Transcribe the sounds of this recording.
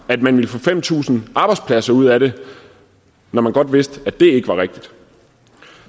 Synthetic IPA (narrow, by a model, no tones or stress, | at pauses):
æd̥mænʋiləfɔ̽fem̰t͡sʰṵːsn̩ʔɑ̈ːb̥ɑ̈ɪ̥spʰlæsɐuð̞̰ˠæɾe̝ | nɒmænɡ̥ɒ̽d̥ʋe̝sd̥æd̥e̝e̝ɡ̥əʋɑ̈ʁeɡ̥̚d̥id̥